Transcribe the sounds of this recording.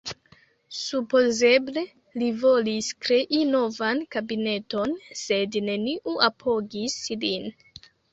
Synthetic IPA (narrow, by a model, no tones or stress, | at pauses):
supo̞ze̞ble̞ | livo̞liskɾe̞ʔino̞vankabine̞to̞nse̞dne̞niʔuʔapʰo̞ɡislin